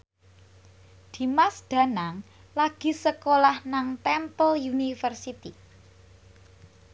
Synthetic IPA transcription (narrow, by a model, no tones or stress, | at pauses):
d̪̥i̤masd̪̥ä̤naŋ | laɡ̥i̤səkolahnaŋt̪ɛmpəljunifərsit̪i